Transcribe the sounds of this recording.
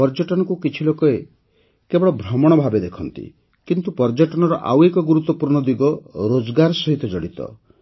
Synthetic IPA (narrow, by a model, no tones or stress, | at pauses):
pɔɾd͡ʒɔʈɔnɔkukit͡ʃʰilokɔe | kebɔɽɔbʱɾɔmɔɽ̃ɔbʱabed̪ekʰɔnt̪ḭ | kint̪upɔɾd͡ʒɔʈɔñɔɾɔʔa̰wekɔɡuɾut̪ːɔpuɾɳɔd̪iɡɔɾod͡ʒɡaɾsɔɦit̪ɔd͡ʒɔɽit̪ɔ̰